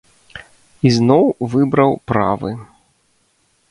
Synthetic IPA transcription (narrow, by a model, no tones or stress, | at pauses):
iznɔwvɨbɾɐwpɾa̰vɨ̰